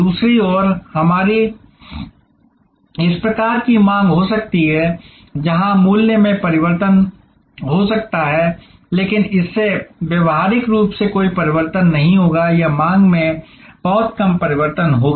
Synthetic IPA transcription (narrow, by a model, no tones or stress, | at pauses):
duːsɾiɔːɾhɐmaːɾi | ɪspɾɐkaːɾkimãːŋɡɦosɐk̚t̪iɦɛː | d͡ʒɐɦãmuːljəmẽpɐɾɪʋəɾt̪ən | ɦosɐk̚t̪aɦɛː | leːkɪnɪsːeʋeʋɦaːɾɪkɾuːpsekoːipɐɾɪʋəɾt̪ənːɐɦĩɦoːɡajamãːŋɡmẽ | b̥ɐɦɔt̪kɐmpɐɾɪʋəɾt̪ənɦoːɡa